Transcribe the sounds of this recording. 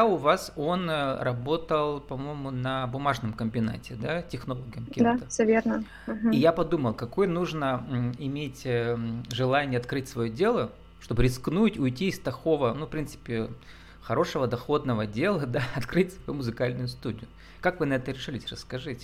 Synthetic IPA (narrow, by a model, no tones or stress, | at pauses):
ʊvaso̞nrɐbo̞t̪əlˠpɐmo̞jɪmʊnɐbʊmaʐnəmkəmʲbʲɪna̰tʲɪd̪atʲɪxnolˠoɡʲɪjəmkʲɛd̪at̪əsʲəvʲernə | ɦijapɐd̪uməlˠkɐko̞jənuʐnəɪmʲetʲ | ʐɨlˠanʲɪjəɐt̪kɾɨtʲsvɐjodʲe̞lˠə | ʂt̪o̞bɨɾʲɪsknutʲʊjtʲiːst̪ɐxo̞vənufpɾʲint̪sɨ̥pʲɪ | xɐɾo̞ʂəvəd̪ɐxo̞d̪nəvədʲe̞lˠəd̪aɐt̪kɾɨtʲsvɐjumʊzɨkalʲnʊjʊst̪udʲɪ̰jʊ | kakvɨnɐɛt̪əɾʲɪʂɨlʲɪsʲrəskɐʐɨtʲ